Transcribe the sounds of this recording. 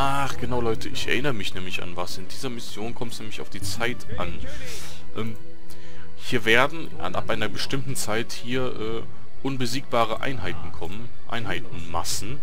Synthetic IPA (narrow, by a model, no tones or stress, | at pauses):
ʔaːχɡ̥ənaʊlɔʏtʰəʔɪçɛ̰ɐʔɪnəʁəmɪçnɛːmlɪça̰nvasɪndiːzɐmɪsjoːnkʰɔmtsnɛːmlɪça̰ʊfd̥iːt͡saɪtʔan | ʔɛːm | hiːɐveːɐdn̩ | ʔa̰nʔa̰pʔaɪnɐbəʃtɪmtn̩t͡saɪthiːɐʔɛː | ʔʊnbəziːk̚b̥aːʁ̞əʔa̰ɪnɦaɪtn̩kʰɔmən | ʔa̰ɪnɦaɪtn̩masn̩